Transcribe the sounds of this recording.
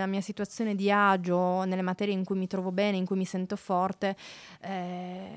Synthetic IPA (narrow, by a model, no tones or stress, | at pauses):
lamiːasit̪uat̪sːjoːned̪iad͡ʒonelːemat̪ɛːɾjeiŋkujmit̪ɾɔːvobɛːneiŋkujmisɛnt̪ofɔrt̪eɛ